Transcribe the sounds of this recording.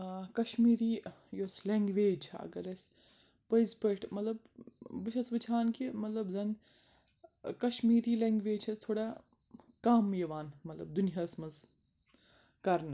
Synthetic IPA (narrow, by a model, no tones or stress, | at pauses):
kɐʃmiːɾiːjoːsleŋɡʋeːd͡ʒt͡ʃʰa̰ɐ̰ɡɐɾɐs | pəjzpəʈʰmɐt̪lɐbbɨt͡ʃʰɐsbɨt͡ʃʰaːnkimɐt̪lɐbzɐn | kɐʃmiːɾiːleŋɡʋeːd͡ʒt͡ʃʰɐt̪ʰoːɽa | kaːmːjɐʋaːnmɐt̪lɐ̰b̚d̪unijasmɐz | kɐɾn